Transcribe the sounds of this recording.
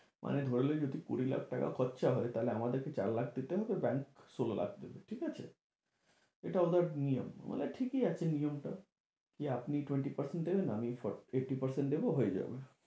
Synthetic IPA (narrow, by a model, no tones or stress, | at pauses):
mʔa̰ned̪ʱoɾeled͡ʑod̪ʱikṵɾila̰k̚ʰʈaka̰kʰɔt̪ːʃaɦɔet̪aleamad̪eɾket͡ɕa̰ɾlak̚ʰd̪it̪eɦɔbebɛŋksolelʔa̰k̚ʰd̪ebeʈʰikat͡ɕʰḛ | eʈaod̪aɾnijo̰m̰mo̰leʈʰikiat͡ɕʰenijomʈa | kiapniʈweɳʈipɐɾseɳʈd̪ebenaamifɔeʈipɐɾseɳʈd̪eboɦoed͡ʑa̰be